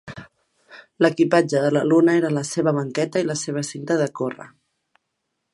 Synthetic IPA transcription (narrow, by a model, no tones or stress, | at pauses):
ləkipad͡ʒəðələlunəeɾələseβəβ̞əŋkɛt̪əiləseβ̞əsint̪əðəkorə̰